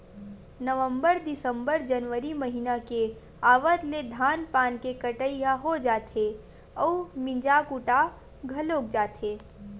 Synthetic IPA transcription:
nəʋə̃mbəɾd̪ɪsə̃mbəɾd͡ʒənʋəɾiməɦinake | aːʋət̪led̪ʱaːnpaːnkekəʈəiaɦod͡ʒaːt̪e | ɔːmɪ̃d͡ʒakuʈa | ɡʱɐloːk̚d͡ʒaːt̪eː

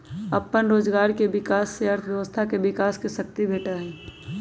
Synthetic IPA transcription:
ɐpːənɾoːd͡ʒɡaːɾkeʋɪkaːsːeəɾt̪ʰʋjəʋəst̪ʰakeʋɪkaːskeʃək̚t̪ibʱeːʈaɦɛ̃ː

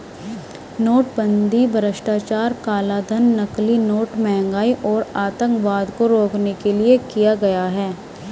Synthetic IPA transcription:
noːʈbə̃nd̪ʱibʱɐɾəʃʈaːt͡ʃaːɾkaːlad̪ʱənːɐklinoːʈmɛɦɛ̃ŋɡaːiʔɔːɾaːt̪ə̃ŋkʋaːd̪koɾoːknekeliekijaɡɐjaɦɛː

